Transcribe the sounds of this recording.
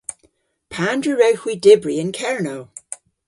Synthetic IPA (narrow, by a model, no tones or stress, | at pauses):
pʰandɹiɹewhwidɪbɹiɪ̃nkʰɛɹnow